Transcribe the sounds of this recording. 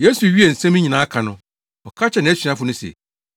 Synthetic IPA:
je˦su˨ɥi˦e˨n̩˨sɛ̃˦mĩ˦ɲĩ˨nã˨˦a˦kʰã˨nʊ̃˦ | ɔ˨kʰa˦t͡ɕʰɛ˨nɪ̃˨ɛ˦ɕᶣa˦fʊ˨˦nʊ̃˦sḛ˨

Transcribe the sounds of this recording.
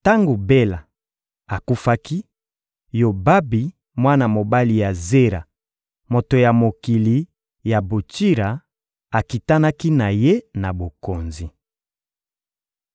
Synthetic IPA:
ta˦ŋɡo˨be˦la˨ | a˨ku˦fa˦ki˦ | jo˨ba˦bi˨ | mwa˦na˨mo˨ba˦li˨ja˨ze˦ɾa̰˨ | mo˨to˨ja˨mo˨ki˨li˨ | ja˨bo˨t͡ʃi˦ɾa˨ | a˨ki˨ta˦na˦ki˦na˨je˦na˨bo˨ko˨nzi˨

